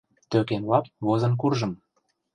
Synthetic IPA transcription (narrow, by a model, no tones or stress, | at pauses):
t̪økenlɑp̚βozɤ̆nk̬urʒɤ̆m